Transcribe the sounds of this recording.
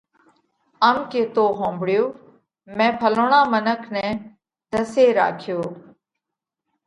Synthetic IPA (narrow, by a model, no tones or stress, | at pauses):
əmkeːt̪oːɦõːmbɽɪjoː | mɛ̃ːpʰəloːɳãːmənəkʰnɛ̃ː | d̪əseːɾa̰ːkʰjoː